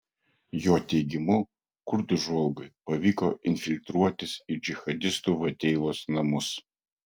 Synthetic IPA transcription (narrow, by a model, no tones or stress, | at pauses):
joːt̪ʲɛɪɡʲɪmʊ | kʊɾd̪ʊʒolˠɡʊpɐʋʲiːkoːʔɪnʲfʲɪlʲt̪ɾuɔt̪ʲɪsid͡ʒʲɪxɐd̪ʲɪst̪uːʋɐt̪ʲɛɪʋoːsnɐmʊs